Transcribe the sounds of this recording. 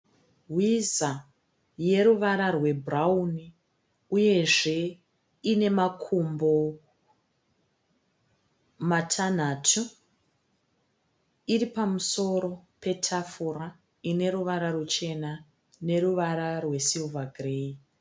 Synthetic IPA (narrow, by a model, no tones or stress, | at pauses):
ɦwiza | je̞ɾuʋaɾarwe̞bʱrauni | uje̞ʐe̞ | ine̞makʰumbo̞ | matʰan̤atʰu | iripamuso̞ɾo̞pʰe̞tʰafura | ine̞ɾuʋaɾarut͡ʃe̞na | ne̞ɾuʋaɾarwe̞silvaɡʱrei